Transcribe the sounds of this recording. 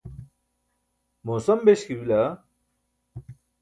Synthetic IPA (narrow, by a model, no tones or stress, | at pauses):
moːsɐmbeɕkiwilɐ